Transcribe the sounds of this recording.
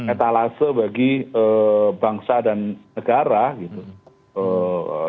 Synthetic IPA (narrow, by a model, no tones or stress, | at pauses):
ɛt̪alasəbaɡiəːbaŋsadanːəɡaɾaɡit̪u | ə